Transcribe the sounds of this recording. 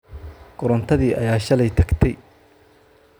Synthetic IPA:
ɡ̥ʊɾɐnt̪ʰɐðiːʔɐ̰jaːʃɐlɛjt̪ʰɐɡt̪ʰɛj

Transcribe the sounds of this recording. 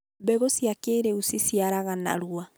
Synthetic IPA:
bɛɣosjakeɾeusisiaɾaɣana̰ɾwa

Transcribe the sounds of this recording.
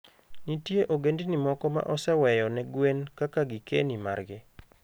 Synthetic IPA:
nitjeʔoɡendinimɔkɔma̰ʔɔsɛwɛjɔnɛɡwenkakaɡɪkḛnima̰rɡɪ

